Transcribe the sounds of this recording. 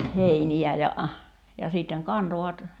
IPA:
heiniæ jɑ jɑ siˑtːeŋ kɑntoʋɑt

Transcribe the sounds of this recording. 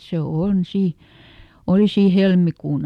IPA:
se on siˑ oli siː helmikuːn

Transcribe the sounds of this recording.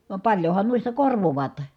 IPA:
ʋɑm pɑljohɑn nuistɑ korʋoʋɑːt

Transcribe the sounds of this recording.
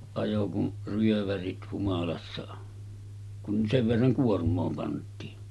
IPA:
ɑjo kun ryøʋærit humɑlɑsːɑ kun seʋ ʋerːɑŋ kuormˑoː pɑntˑiːn

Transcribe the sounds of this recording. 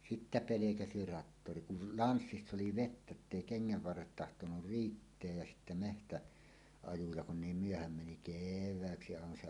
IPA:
sitːæ pelekæsi rɑtːori kul lɑnsːisː oli ʋetːæ tːeˑi keŋːæʋ ʋɑrːet tɑhtonur riːtːeæj jæ sitːæ mehtæ ɑjujɑ kun niːm myøhæm meni keʋˑæːksi ɑˑenɑ se

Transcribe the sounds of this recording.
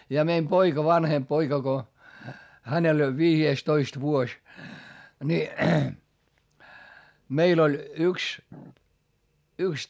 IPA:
jɑ meim poikɑ ʋɑnhemp poikɑ ko hænel olʲ ʋiːjeːstoist ʋuosʲ ni meil olʲ yks yks

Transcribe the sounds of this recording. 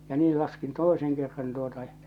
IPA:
jɑ niː lɑskin toiseŋ kerːɑn tuotɑ j̆ɑ̆

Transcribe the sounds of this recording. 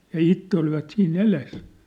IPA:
jɑ itːe oliʋɑt siːn eles

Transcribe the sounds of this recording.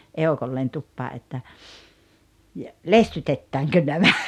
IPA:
eokolːeːn tupːɑː ʔetːæ jɑ lestytetːæːŋkø næmæ

